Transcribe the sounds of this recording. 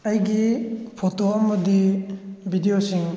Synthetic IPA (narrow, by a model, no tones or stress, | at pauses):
ɐjɡipʰotoɐmɐdibʱidijosiŋ